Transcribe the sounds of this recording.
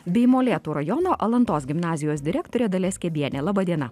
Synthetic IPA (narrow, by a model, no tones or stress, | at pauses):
bʲɛɪmoːlʲeːt̪uːɾɐjɔnoːʔɐlˠɐnt̪oːsɡʲɪmnɑːzʲɪjoːsd̪ʲɪɾʲæːk̚t̪oːɾʲeːd̪ɐlʲɛsʲkʲɛd̪ʲiɛnʲeːlˠɑːbɐd̪ʲiɛnɐ